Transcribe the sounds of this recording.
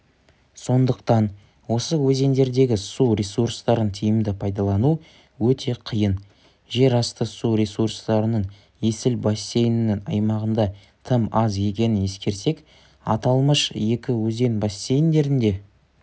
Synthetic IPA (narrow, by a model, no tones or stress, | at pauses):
so̞nd̪əqt̪ɑn | wo̞səwɵze̞nd̪e̞ɾd̪e̞ɡʲɪsuɾʲesurst̪ɑɾənt̪ʰijɪmd̪ɪpʰɑjd̪ɑlˠɑnu | wɵt̪ʰe̞qʰijən | ʒe̞ɾɑst̪əsuɾʲesurst̪ɑɾənəɴ | je̞sɪlbɑsːe̞jɪnɪnɪŋɑ̰jmɑʁənd̪ɑ | t̪ʰəmɑzje̞k̬ʲe̞nɪne̞skʲe̞ɾse̞k | ɑ̰t̪ɑlˠməʃje̞kʲɪwɵze̞nbɑsːejɪnd̪e̞ɾɪnd̪e̞